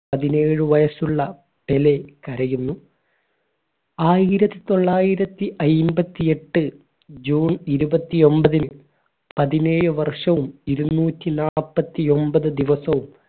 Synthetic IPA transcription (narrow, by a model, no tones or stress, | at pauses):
pɐðineːɻɨʋɐjɐsuɭːɐ | pele̞kɐɾɐjunːu | aːjiɾɐt̪ːit̪o̞ɭːaːjiɾɐt̪ːiʔɐjmbɐt̪ːie̞ʈːɨ | d͡ʑuːniɾubɐt̪ːio̞mbɐðin | pɐðine̞ːɻɨʋɐrʂɐʋumiɾunːuːtːinaːɭpːɐt̪ːio̞mbɐðɨd̪iʋɐsɐʋum